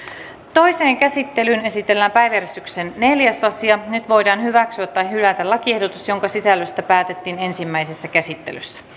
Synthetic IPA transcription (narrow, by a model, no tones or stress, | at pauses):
t̪o̞jse̞ːŋkæsit̪ːelyːne̞sit̪e̞lːæːmpæjʋjæɾjest̪yksenːe̞ljæsɑsiɑnyt̪ʋo̞jdɑːnhyʋæksyæt̪ːɑjɦylæt̪ælɑkiehdot̪usjoŋkɑsisælːøst̪æpæːt̪et̪ːiːne̞nsimːæjsesːækæsit̪ːelysːæ̥